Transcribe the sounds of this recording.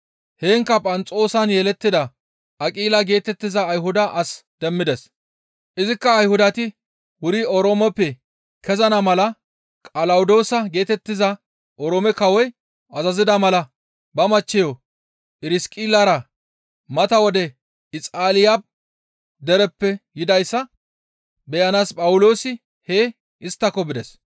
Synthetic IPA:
heːŋkːɐpʼɐnt͡sʼo̞ːsɐnjɛlɛt̪ːɪd̪ɐ | ʔɐkʼiːlɐɡe̞ːt̪ɛt̪ːɪzɐːjɦʊd̪ɐʔɐsd̪̥ɛmːɪd̪ɛs | ʔɪzɪkːɐːjhʊd̪ɐt̪ɪ | wʊɾiɔɾoːmɔpːɛ | kɛzɐnɐmɐlɐ | kʼɐlɐwʊd̪o̞ːsɐɡe̞ːt̪ɛt̪ːɪzɐ | ʔɔɾoːmɛkɐwɔj | ɐzɐzɪd̪ɐmɐlɐ | bɐmɐt͡ʃːɛjɔ | ɪɾɪskʼɪlːɐɾɐ | mɐt̪ɐwɔd̪ɛ | ɪt͡sʼaːlɪjab̚ | d̪ɛɾɛpːɛjɪd̪ɐjsːɐ | bɛjɐnaːspʼɐwʊlo̞ːsɪ | heː | ʔɪst̪ːɐkːɔbɪd̪ɛs

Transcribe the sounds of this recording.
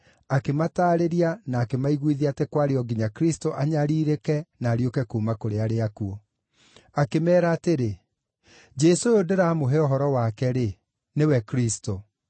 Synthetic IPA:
akemataːɾeɾianaːkemaiɣwiðiatɛkwaɾeɔɡiɲakɾistoʔaɲaɾiːɾekɛnaːɾiokɛkuːmakoɾeaɾeakuɔ | akemɛːɾaːteɾe | d͡ʒesojodeɾamoɦeɔɦɔɾɔwakɛɾe | newɛkɾisto

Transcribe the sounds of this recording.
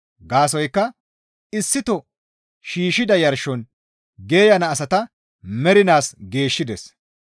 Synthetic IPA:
ɡaːs̬ɔjkːɐ | ɪsːɪt̪ɔ | ʃiːʃɪd̪ɐjɐɾʃɔn | ɡe̞ːjɐnɐːsɐt̪ɐ | mɛɾɪnaːsɡe̞ːʃːɪd̪ɛs

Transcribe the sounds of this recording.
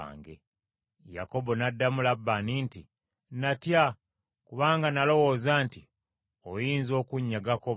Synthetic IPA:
ŋɡḛ | ja̰ko̞bo̞nadːamulabːaninti | natja | kuβaːŋɡanalo̞wo̞ːzaːnti | ojiːnzo̞ːkuɲːaɡako

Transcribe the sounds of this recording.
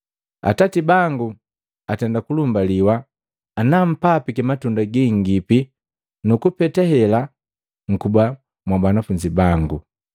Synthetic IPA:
a̰tatibaŋɡu | atɛndakulumbaliwaː | nam̩papikimatundaɡiŋɡipi | nukupɛtɛhɛla | ŋ̩kuba | mwabanafuɲd͡ʒibaŋɡu

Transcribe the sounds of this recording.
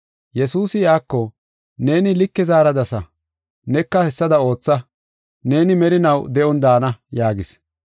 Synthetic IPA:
jɛsuːsɪjaːkːɔ | ne̞ːnɪlɪkːɛzaːɾɐd̪ɐsɐ | nɛkːɐhɛsːɐd̪ɐo̞ːt͡sːɐ | ne̞ːnɪmɛɾɪnɐwd̪ɛʔɔnd̪aːnɐjaːɡɪs

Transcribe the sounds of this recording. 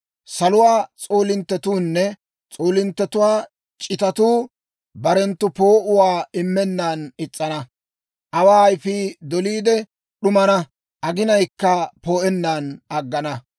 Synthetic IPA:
sɐlʊwaːt͡sʼoːlɪnt̪ːɛt̪uːnːɛ | t͡sʼoːlɪnt̪ːɛt̪ʊwaː | t͡ʃʼɪt̪ɐt̪uː | bɐɾɛnt̪ːʊpo̞ːʔʊwaːɪmːɛnːaːnɪt͡sʼːɐnɐ | ʔɐwaːɐjfiːd̪ɔliːd̪ɛ | ɗʊmɐnɐ | ʔɐɡɪnɐjkːɐpoːʔɛnːaːnɐɡːɐnɐ

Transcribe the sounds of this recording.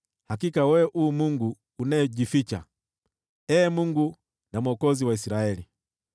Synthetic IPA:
hakikawɛʔuːmuŋɡuː | naɛʄifit͡ʃa̰ | ɛːmuŋɡu | namɔkɔziwaisiɾaɛli

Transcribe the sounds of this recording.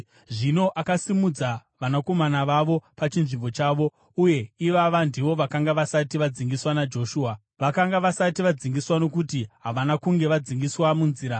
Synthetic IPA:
ʐino̞ʔakasimud͡zaʋanako̞manaʋaʋo̞pat͡ʃinʐimbo̞t͡ʃaːʋo̞ | uje̞iʋaʋandiʋo̞ʋakaŋɡaʋasatiʋad͡ziŋɡiswanad͡ʒo̞ʃuːa | ʋakaŋɡaʋasatiʋad͡ziŋɡiswano̞kutiɦaʋanakuŋɡe̞ʋad͡ziŋɡiswamunziːɾa

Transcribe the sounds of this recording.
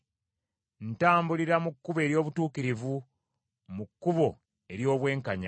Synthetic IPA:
n̩taːmbuliɾamukːuβe̞ːɾjo̞ːβutuːkiɾivu | mukːuβo̞ | e̞ɾjo̞ːβwe̞ːŋkaɲa

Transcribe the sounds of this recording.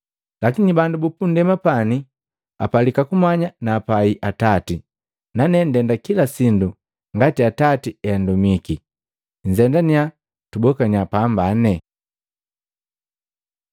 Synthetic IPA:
lakiɲibandubupundɛmapani | a̰palikakumaɲanaːpaiʔatati | nanɛn̩dɛndakilasindu | ŋɡatiatatiɛandumiki | ɲd͡ʒɛndania | tubɔkaɲapambanɛ

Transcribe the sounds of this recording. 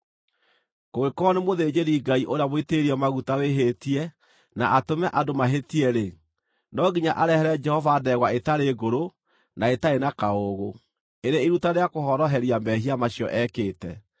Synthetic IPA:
koɣekɔnemoðed͡ʑeɾiɡaiʔoɾeamoiteɾiɔmaɣutaweɦetiɛ | naʔatomɛʔadomaɦetiɛɾe | nɔɡiɲaʔaɾɛhɛɾɛd͡ʒɛhɔvaːdɛɣwaetaɾeɡoɾo | naetaenakaoɣo | eɾeiɾutaɾeakohɔɾɔɦɛɾiambɛɦiamaɕjɔ̰ʔɛkeːtɛ

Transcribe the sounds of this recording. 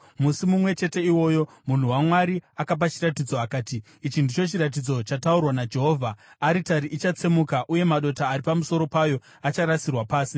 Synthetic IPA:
musimumwe̞t͡ʃe̞te̞iwo̞ːjo̞ | mun̤uwamwaɾiakap̬at͡ʃiratid͡zo̞akaːtiː | t͡ʃindit͡ʃo̞t͡ʃiɾat̬id͡zo̞t͡ʃataurwanad͡ʒe̞ɦo̞ːvʱaːɾitaɾiʔit͡ʃat͡semukaʔuje̞maɗo̞taːɾipamuso̞ɾo̞pajo̞ | at͡ʃaɾasirwapaːsi

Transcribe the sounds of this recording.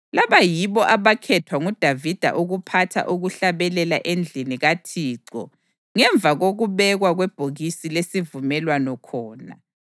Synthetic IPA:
laβajiβɔʔaβakʰɛtʰwaŋud̥ʱavid̥ʱa̰ʔuɣupʰatʰa̰ʔuɣuɬaβɛlɛlaʔend͡ɮʱiniɣatʰiːǀɔ̰ | ŋɛɱb̪vʱaɣoɣuβɛɣwaɣwɛb̥ʱoɣisilesivumɛlwanɔkʰɔːna̰

